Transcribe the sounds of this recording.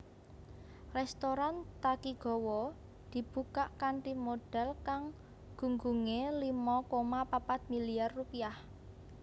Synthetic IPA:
rɛst̪oɾant̪akiɡ̥ɔ̤wɔ | d̪̥i̤b̥ukaʔkanʈimoɖ̥ɛ̤lkaŋ | ɡ̥ṳŋɡuŋelimɔkomapapat̪̚miliarːupiah

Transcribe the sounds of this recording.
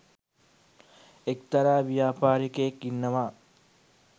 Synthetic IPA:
ekt̪ɐɾaːʋijaːpaːɾikeːkːinːɐʋaː

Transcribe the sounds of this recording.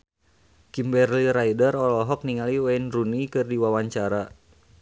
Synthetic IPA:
kimbɛrliɾaidərɔlɔɦɔk̚niŋaliwanrunikɨrdiwawaɲt͡ʃaɾa

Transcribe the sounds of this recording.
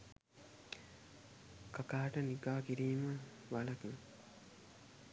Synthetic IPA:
kakaːʈəniɡaːkiɾiːmə | ʋalɐkn

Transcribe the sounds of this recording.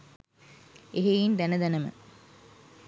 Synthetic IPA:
eɦejind̪ænəd̪ænəmə̰

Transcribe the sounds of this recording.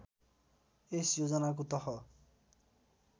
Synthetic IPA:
esjod͡ʒɔnak̬ut̪ɔhɔ

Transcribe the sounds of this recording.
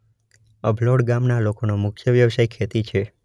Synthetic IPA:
əbloɖɡamnalokonomʊkʰjəʋjəʋsajkʰet̪it͡ʃʰe

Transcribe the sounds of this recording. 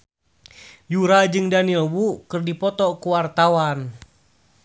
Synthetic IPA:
juɾad͡ʒɨŋdanilwukɨrdipɔt̪ɔkuwart̪awan

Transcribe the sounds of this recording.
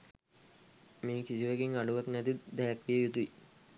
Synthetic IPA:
meːkisiʋəɡeŋaɖuʋaknæt̪it̪d̪æjakʋijəjut̪uʋi

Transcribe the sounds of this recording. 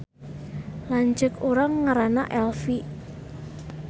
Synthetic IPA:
laɲd͡ʒəkuɾaŋːaɾana̰ʔɛlfi

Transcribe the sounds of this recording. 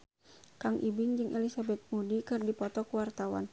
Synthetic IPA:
kaŋʔibɪŋd͡ʒɨŋʔɛlisabɛt̪̚mudikɨrdipɔt̪ɔkuwart̪awa̰n

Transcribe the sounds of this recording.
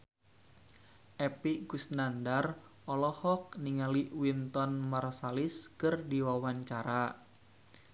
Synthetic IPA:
ʔɛpiʔɡusnandar | ʔɔlɔhɔk̚niŋaliwint̪ɔnmarsaliskɨrdiwawaɲt͡ʃaɾa

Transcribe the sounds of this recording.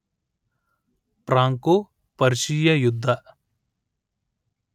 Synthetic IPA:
pɾaːŋko | pɐɾʃijɐjʊd̪ʱːɐ

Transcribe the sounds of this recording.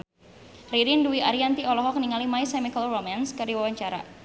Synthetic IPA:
riɾinduiʔaɾiant̪iɔlɔɦɔk̚niŋalimaisɛmikəlromanskərdiwawaɲt͡ʃaɾa̰

